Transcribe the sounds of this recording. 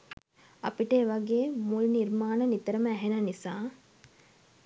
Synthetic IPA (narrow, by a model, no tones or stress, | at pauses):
apiʈəːʋaɡeːmulniɾmaːnənit̪əɾəməæɦenanisaː